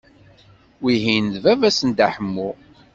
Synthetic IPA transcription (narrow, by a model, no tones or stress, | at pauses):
wiɦinəðvævæsənd̪æħəmːu